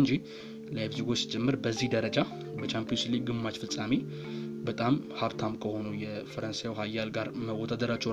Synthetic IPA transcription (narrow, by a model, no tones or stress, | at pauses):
nd͡ʒi | lajfd͡ʒiɡo̞t͡ʃːsi̥t͡ʃʼɛmːɨɾbəzːihd̪əɾəd͡ʒa | bət͡ʃʰampijosliɡ̚ɡɨmːat͡ʃfɨsʼame | bət̪ʼamhaβt̪ʰamkʰəho̞nujɛfəɾənsajawɦajːalɡaɾməwɔd̪ad̪əɾat͡ʃːɛ